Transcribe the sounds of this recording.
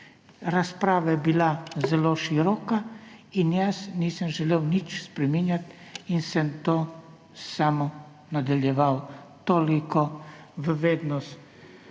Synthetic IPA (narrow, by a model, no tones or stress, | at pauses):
ɾaspɾaːʋajɛbilazɛloːʃiɾɔːkainjəsniːsəmʒɛleːwnit͡ʃspɾɛminjat̪ | insɛmt̪oː | saːmɔ | nad̪aljɛʋawt̪oːlikɔ | ʋəʋeːd̪nɔst̪